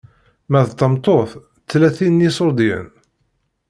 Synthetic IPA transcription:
mæðt̪ːəmt̪ˤoθ | t͡sːlæθinjisoɾd̪jə̰n

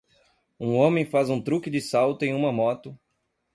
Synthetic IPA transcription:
ũõmẽj̃fazũt̪ɾukɪd̪ɪsawt̪ʊẽj̃ũmɐmɔt̪ʊ

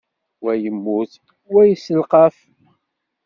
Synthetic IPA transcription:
wæjəmːuθ | wæjəsːəlqɑf

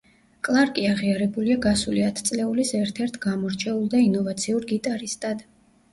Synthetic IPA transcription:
kʼlˠaɾkʼiaʁiaɾɛbuliaɡasuliat̪ʰt̪sʼlɛulisɛɾt̪ʰɛɾt̪ʰɡamɔɾt͡ʃʰɛulˠd̪ainɔvat̪sʰiuɾɡit̪ʼaɾist̪ʼad̪

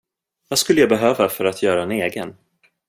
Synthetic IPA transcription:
vaskɵlːəjaːbɛɦøːvafœɾat̪ʰjœːɾaɛneːɡən

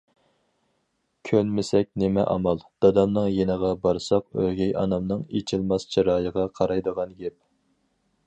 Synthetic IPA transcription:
kʲʰønmɪsɛk̚ʲnemɛ̰ʔɑ̰mɑlˠd̪̥ɑd̪ɑmnɨŋjenəʁɑbɑɾsɑqøhɡʲɛjɑ̰nɑmnɨŋet͡ʃʰɪlˠmɑst͡ʃʰiɾɑːjəʁɑqʰɑɾɑjd̪əʁɑnɡʲɛp̚

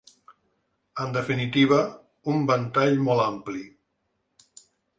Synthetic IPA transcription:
ənd̪əfinit̪iβ̞ə | umbənt̪aʎmɔlampli

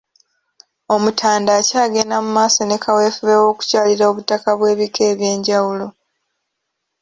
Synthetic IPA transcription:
o̞mutʰaːndaːcaːɡe̞namumaːsonekʰawe̞ːfuβewo̞ːku̥caːliɾao̞βutːakaβwe̞ːβike̞ːβje̞ːɲɟawulo̞

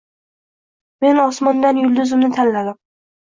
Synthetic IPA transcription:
me̞nɒsmɒnd̪anjʊld̪ɪzɪmnɪt̪ʰanlad̪ɪm

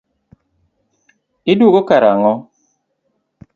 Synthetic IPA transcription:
idwoɡokaɾaŋɔ

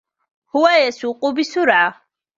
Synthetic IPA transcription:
huwajɛsuqʼubisuɾa

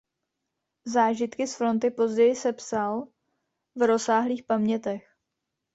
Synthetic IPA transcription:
zaːʒɪt̪kɪsfɾo̞nt̪ɪpo̞zɟɛjɪsɛpsal | vɾo̞saːɦliːxpamɲɛt̪ɛx

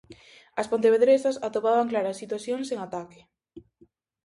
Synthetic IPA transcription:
ɐspont̪eβeðɾesasat̪opaβ̞aŋklaɾasːit̪waθjoŋseŋat̪ake̥

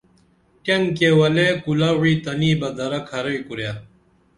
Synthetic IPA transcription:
ʈɐŋkewɐleːkulawiːt̪ɐniːbɐd̪ɐɾɐkʰɐɾɐikuɾjaː

